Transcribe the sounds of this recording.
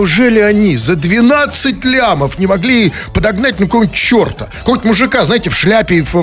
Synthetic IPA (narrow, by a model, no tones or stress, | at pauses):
ʊʐɛlʲɪɐnʲizəd̪vʲɪnat̪sɨt̚ʲlʲaməfnʲɪmɐɡlʲi | pəd̪ɐɡnat̚ʲnəkowmʲnʲtʲt͡ɕːo̞rt̪ə̥komʲnʲtʲmʊʐɨkaznaɪtʲɪfʂlʲæpʲɪf